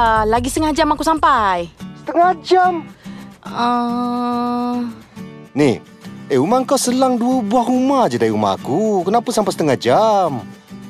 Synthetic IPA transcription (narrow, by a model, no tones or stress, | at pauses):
alaɡist̪əŋahd͡ʒamakusampajsə̥t̪əŋahd͡ʒam | ə | nih | eumaŋkawsəlaŋduəbuahumahd͡ʒadaɾiuma̰a̰kukənapansampajsə̥t̪əŋahd͡ʒam